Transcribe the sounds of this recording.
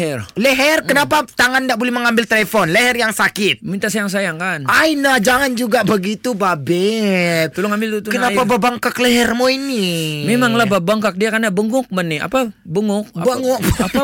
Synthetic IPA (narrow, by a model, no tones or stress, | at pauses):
ɛrleɦɛrkənapat̪aŋandaʔbolɛhməŋambɪlt̪elefɔnleɦɛrjaŋsakɪt̪̚mint̪aʔsajaŋs̬ajaŋkanajnad͡ʒaŋand͡ʒuɡabəɡit̪ubabɛt̪̚t̪əlʊŋambɪlt̪ut̪ukənapababaŋkakleɦɛrmoinimemaŋlahbabaŋkak̚diakarnabəŋɡʊk̚mənɪa̰pabəŋʊk̚abəŋʊkapa